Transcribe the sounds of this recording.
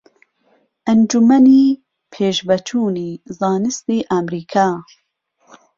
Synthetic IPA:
ʔɐnd͡ʒumɛniː | pʰeːʃbɐt͡ʃʰuːniːzɑːnɨst̪iːʔamɾiːkʰaː

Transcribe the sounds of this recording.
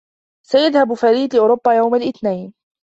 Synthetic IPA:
sajaðhabfaɾiːd̪ɪʔʊːɾʊbːajawmalʔɪθnajn

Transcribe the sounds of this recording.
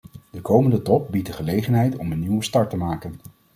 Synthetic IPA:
dəkowməndətɔp̚bit̚dəχəlejχənɦɛjtɔmənːiwəstɑɹtəmaːkən

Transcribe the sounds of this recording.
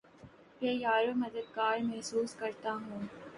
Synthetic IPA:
ʋɛːjaːɾomɐd̪əd̪̚ɡaːɾmɛɦsuːskɐɾt̪aɦũː

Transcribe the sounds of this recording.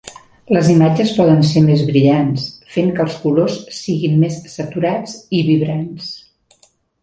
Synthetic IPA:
ləzimad͡ʒəspɔðənsemezβɾiʎansfeŋkəlˠskulossiɣinmesːət̪uɾat͡siβiβɾans

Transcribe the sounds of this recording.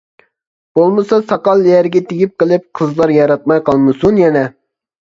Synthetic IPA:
b̥olˠmɨsɑsɑqɑlˠːijɛɾɡʲɛt̪ʰeɡʲip̚qəlˠɨp̚qʰəzlˠɑɾjɑɾɑt̪̚mɑjqɑlˠmɨsunjɛnɛ

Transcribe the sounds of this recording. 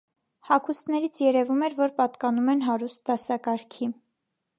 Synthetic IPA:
hɑkʰust̪nɛɾit͡sʰjɛɾɛvumɛɾvɔɾpɑt̪kɑnumɛnɦɑɾust̪̚d̪ɑsɑkɑɾkʰi

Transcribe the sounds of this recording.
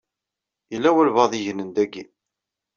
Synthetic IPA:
jəlːæwælvɑðˤiʝnənd̪æɡi

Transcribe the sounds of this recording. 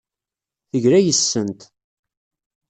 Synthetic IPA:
θəʝɾæjəsːənt̪

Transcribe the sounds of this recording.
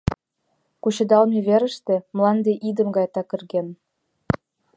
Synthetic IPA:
kuɕɤ̆d̪ɑlˠmʲeβʲeɾɘ̆ʃt̪ĕmlˠɑnd̪eʔid̪ə̆mɡɑjt̪ɑkʲɘ̆rɡʲen

